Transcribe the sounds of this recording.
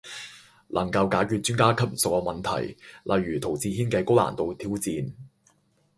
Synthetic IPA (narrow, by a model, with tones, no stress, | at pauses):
lʔɐ˨˩ŋkɐ˧wkaː˨˥jkyː˧t̚t͡ʃyː˥ŋkaː˥kʰɐ˥p̚sʊ˨k̚ːɔ˧mɐ˨nt̪ʰɐ̰˨˩jlʔɐ˨jːyː˨˩t̪ʰo˨˩wt͡siː˧hiː˥nkɛː˧ko˥wla̰ː˨˩nt̪o˨˧wt̪ʰiː˥wt͡siː˧n